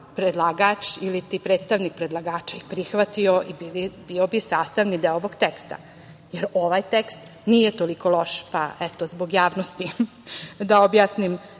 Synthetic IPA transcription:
pɾed̪lˠaɡat͡ʃilit̪ipɾet̪st̪aʋnik̚pɾed̪lˠaɡaːt͡ʃaipɾixʋat̪ioʔibiibiobisaːst̪aʋnid̪eoʋoɡt̪ekst̪a̰ | jeɾo̞ʋajt̪ekst̪nijet̪o̞likolˠo̞ʃpa̰ʔɛt̪ozboɡjaːʋnost̪i | d̪aobjasnim

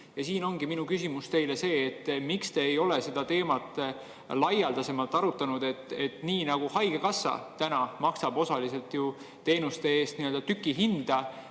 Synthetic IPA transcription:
jɑsiːno̞ŋɡ̥iminukysimust̪e̞jle̞se̞ːt̪ːmikst̪e̞ejo̞le̞se̞d̪ɑt̪e̞ːmɑt̪ːˑ | lɑjɑld̪ɑse̞mɑlt̪ːˑɑɾut̪ːˑɑnud̪̥e̞t̪ːˑet̪ːniːnɑɡ̥uhɑjɡ̥ekɑsːɑ̰t̪ænɑmɑksɑbo̞sɑlise̞lt̪ju | t̪e̞ːnust̪e̞e̞ːst̪niø̞ld̪̥ɑt̪ykːˑiɦind̪̥ɑ

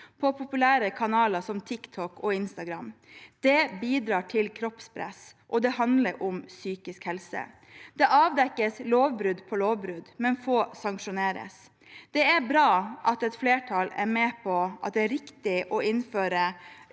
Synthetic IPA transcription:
pʰɔpʰʊpʉlæːɾəkʰɑnɑːlɑsɔmt̪ʰɪkt̪ʰɔkɔɪnst̪ɑɡɾɑmd̪̥ɛbiːd̪ɾɑːʈʰɪlkʰɾɔpspʰɾɛ̰sʔɔd̪ɛɦɑnd̪ləɾʔɔmsyːkɪskhɛlsə̰ | d̪̥ɛʔɑːʋd̪ɛkːəsloːʋbɾʉd̪pʰɔloːʋbɾʉd̪mɛnfoːsɑŋkʂʊneːɾə̰s | d̪̥ɛæɾbɾɑːʔɑt̪ɛt̪fleːʈʰɑlæ̰ɾmɛːpʰɔʔɑ̰t̪̚d̪ɛæɾɪkt̪ɪʔɔɪnføːɾə

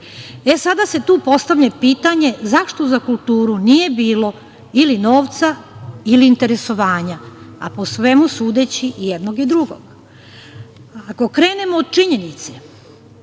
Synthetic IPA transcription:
e̞sad̪ase̞t̪uːpo̞st̪aʋʎʲapiːt̪aɲe̞zaʃt̪ozakulˠt̪uːɾunije̞biːlo̞ | ilinoːʋt̪sailiːnt̪e̞ɾe̞so̞ʋaːɲaa̰posʋe̞musuːd̪et͡ɕiʔjed̪noɡid̪ɾuɡo̰ɡ̥ | ako̞kɾe̞ːne̞moːd̪̚t͡ʃiɲe̞nit̪se

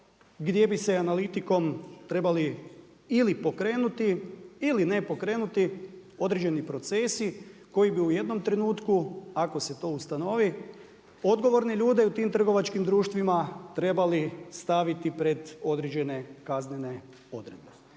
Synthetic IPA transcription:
ɡd̪je̞bise̞analit̪iko̞mt̪ɾe̞bali | ilipo̞kɾe̞ːnut̪iːline̞po̞kɾe̞ːnut̪i | o̞d̪ɾed͡ʒe̞nipɾo̞t̪se̞siko̞jibiuje̞d̪no̞mt̪ɾe̞nuːt̪kuako̞se̞t̪o̞ust̪ano̞ʋi | o̞d̪ɡo̞ʋo̞ɾneʎuːd̪eut̪iːmt̪r̩ɡo̞ʋat͡ʃkimd̪ɾuːʃt̪ʋimat̪ɾe̞balist̪aʋit̪ipɾe̞d̪o̞d̪ɾed͡ʑe̞ne̞kaznene̞ | o̞d̪ɾe̞d̪̚be̞

